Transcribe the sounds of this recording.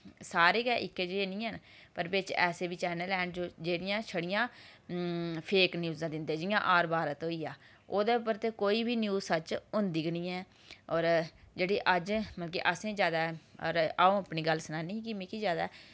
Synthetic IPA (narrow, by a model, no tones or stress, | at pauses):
saːɾeːɡɛːʔɪkːeːd͡ʒeeːnĩːɦənpəɾbɪt͡ʃɛːseːʋiːt͡ʃɛːnəlɛːɳd͡ʒoːd͡ʒeːɽɪjãːʃʰəɽɪjãː | pʰeːknjuːzãːd̪ɪnd̪eːd͡ʒijã̰ːʔaːɾbaːɾət̪oːiːaː | oːd̪eːʊpəɾt̪eːkoːiːbiːnjuːzsət͡ʃʊnd̪iːɡənĩːɛː | ɔːɾd͡ʒeːɽiːʔəd͡ʒməlkḭːʔəsẽːzjaːd̪aːɾaːõːəpniːɡəlsənaːniːkimẽːkiːzjaːd̪aː